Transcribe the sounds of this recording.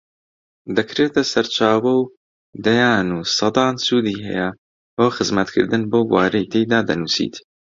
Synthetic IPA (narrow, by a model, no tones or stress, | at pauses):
d̪ɐkɾeːt̪ɐsɐɾt͡ʃaːwɐw | d̪ɐjaːnuːsɑd̪ɑːnsuːd̪iːɦɛ̰jɐ | boːxɨzmɐt̪kʰɨ̰ɾd̪ɨnboːɡwaːɾejt̪ʰejd̪aːd̪ɐ̰nuːsḭːt̪